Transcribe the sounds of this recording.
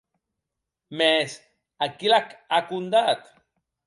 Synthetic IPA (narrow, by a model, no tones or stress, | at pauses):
mes | akilakakund̪at̪